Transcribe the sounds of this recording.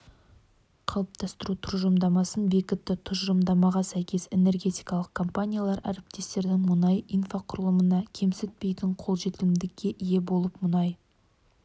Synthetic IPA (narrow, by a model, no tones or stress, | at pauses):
qʰɑlˠəp̚t̪ʰɑst̪əɾut̪ʰʊɾʒəmd̪ɑmɑsənbe̞kʲɪt̪ːɪt̪ʰʊʒʒəmd̪ɑmɑʁɑsæjkʲʰe̞se̞ne̞rɡʲe̞t̪ijkɑlˠəq̚kʰo̞mpanʲijalˠɑɾæ̰ɾɪp̚t̪e̞st̪e̞ɾd̪ɪŋmʊnɑjijnfaqʰʊɾəlˠəmənɑkʲʰe̞msɪt̪̚pe̞jt̪ɪɴqʰolˠʒe̞t̪ɪlɪmd̪ɪkʲːe̞ʔije̞bo̞lˠəpmʊnɑj